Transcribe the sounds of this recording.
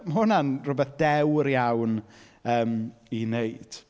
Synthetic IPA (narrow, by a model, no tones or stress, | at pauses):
mɦʊnanrʊbɛθd̥ɛwɾjawn | əːminejd̥